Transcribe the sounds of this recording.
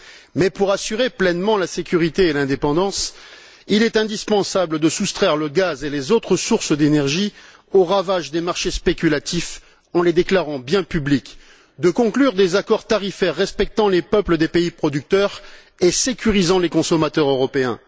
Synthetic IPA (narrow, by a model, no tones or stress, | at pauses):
mɛpuʁasyʁeplɛnmɑ̃lasekʲyʁit̪eːlɛ̃d̪epɑ̃d̪ɑ̃s | ilɛt̪ɛ̃d̪ispɑ̃sabləd̪əsust̪χɛʁləɡazelezot̪χəsuʁsəd̪enɛʁʒi | oʁavaʒd̪emaʁʃespekʲylat̪if | ɑ̃led̪eklaʁɑ̃bjɛ̃pyblik | d̪əkɔ̃klyʁd̪ezakɔʁt̪aʁifɛʁːɛspɛk̚t̪ɑ̃lepœpləd̪epeipχɔd̪yk̚t̪œʁ | esekʲyʁizɑ̃lekɔ̃sɔmat̪œʁøʁɔpeɛ̰̃